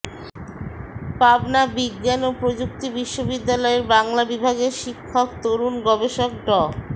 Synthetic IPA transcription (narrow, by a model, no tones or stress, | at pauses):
pabnabiɡːanopɾod͡ʑuk̚t̪ibiʃːobid̪ːalɔeɾbaŋlabibʱaɡeɾʃikʰːokt̪oɾunɡɔbeʃok̚ɖɔ